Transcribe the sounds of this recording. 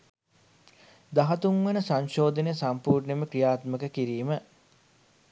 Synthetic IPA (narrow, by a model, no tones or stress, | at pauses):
d̪ɐɦɐt̪uŋʋenəsɐɲʃoːd̪ənesɐmpuːrneməkɾijaːt̪məkəkiɾiːmə